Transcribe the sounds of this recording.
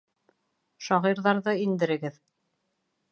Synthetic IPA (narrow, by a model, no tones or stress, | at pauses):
ʃɑʁiɾðɑɾðɤind̪ɘ̆ɾɘ̆ɡɘð